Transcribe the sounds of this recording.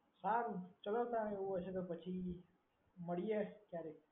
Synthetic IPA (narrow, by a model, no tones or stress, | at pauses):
saɾt͡ʃələt̪aeuot͡ʃʰet̪̬opət͡ʃʰi | məɭiekjaɾe